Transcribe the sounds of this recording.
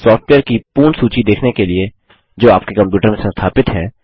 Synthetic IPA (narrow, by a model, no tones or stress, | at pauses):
sɔːfʈʋeːəɾkipuːɳsuːt͡ʃid̪eːkʰnekelie | d͡ʒoːaːp̚kekɐ̃mpjuːʈəɾmẽsɐ̃nst̪ʰaːpɪt̪ɦɛː